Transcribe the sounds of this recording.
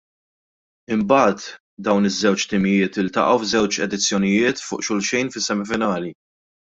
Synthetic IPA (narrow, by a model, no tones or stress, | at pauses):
ɪmbɐːt̪ | d̪ɐwnɪzːɛwt͡ʃt̪ɪmɪjɪːt̪ɪlt̪ɐ̰ʔɐwvzɛwt͡ʃɛd̪ɪt͡sːjɔnɪjɪːt̪fʊ̰ːʔʃʊlʃɛjnfɪsːɛmɪfɪnɐːli